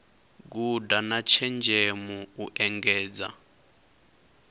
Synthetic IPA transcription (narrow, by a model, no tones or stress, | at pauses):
k̬udanat͡ʃʰɛnd͡ʒʱɛmuuʔɛŋɡɛːd͡za̰